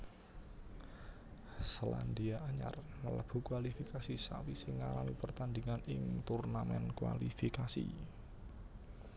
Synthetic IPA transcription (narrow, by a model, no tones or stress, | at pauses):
sla̰nd̪iaʔaɲa̰rmələb̥ṳkwalifikasisawisɪŋːalamipərt̪and̪iŋanɪŋt̪urnamɛ̰nkwa̰lifikasḭ